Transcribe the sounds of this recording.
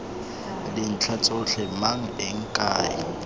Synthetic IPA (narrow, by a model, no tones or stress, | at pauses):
lɪn̩t͡ɬʰat͡sʼʊɬɛmaŋ̩ɪŋ̩kʼaːɪ̰